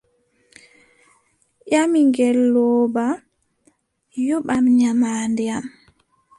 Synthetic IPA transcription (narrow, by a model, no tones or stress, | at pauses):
ʔamiŋɡɛlːɔːba | jɔɓamɲamaːndiam